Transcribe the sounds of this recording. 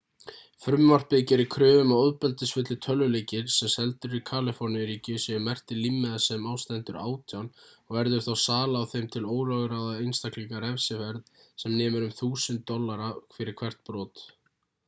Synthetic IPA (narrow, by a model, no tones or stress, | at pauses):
fɾʏmːar̥pɪcɪɾɪɾkʰɾʏːvʏmawɔðpɛlt̪ɪsfʏt̪lɪt̪ʰœlːʏlejcɪɾ̥sɛmsɛlt̪ʏɾikʰaːlɪfɔɾnjɪɾiːcɪsɛʏmːɛr̥t̪ɪlimːɪðasɛmaːwst̪ɛnt̪ʏɾa̰ːwt̪ʰjanɔɣvɛɾðʏɾ̥θawsaːlaːwθejmt̪ʰɪloːwɾœɣɾaðaejnst̪akliŋkaɾɛfsɪvɛɾðsɛmnɛːmʏɾʏmθuːsʏnt̪ːɔlːaɾakʰfɪɾɪɾ̥kʰvɛr̥t̪̚pɾɔːt̪